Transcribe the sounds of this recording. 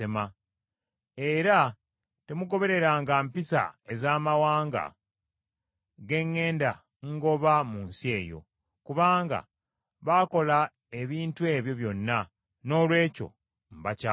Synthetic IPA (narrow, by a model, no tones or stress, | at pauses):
ema | e̞ɾa | te̞muɡo̞βe̞ɾe̞ɾaːŋɡampisa̰e̞zaːmawaːŋɡa̰ | ɡe̞ŋːe̞ːnda | ŋɡo̞βamuːnsie̞ːjo̞̰ | kuβaːŋɡa̰ | βaːko̞la | e̞βiːntue̞ːβjo̞βjo̞nːa | no̞ːlwe̞ːco̞̰ | m̩baca